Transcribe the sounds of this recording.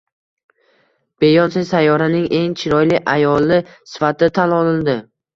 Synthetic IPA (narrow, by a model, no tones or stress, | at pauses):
b̥e̞jɒnsɪjsajːɒɾanɪŋe̞ŋt͡ʃʰɪɾɒjlɪʔajɒlˠːɪsɪ̥fat̪ɪt̪ʰalɒlɪld̪ɪ